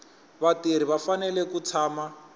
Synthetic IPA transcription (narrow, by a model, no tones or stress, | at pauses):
βateɾ̤iβafanɛlɛkut͡sʰaːma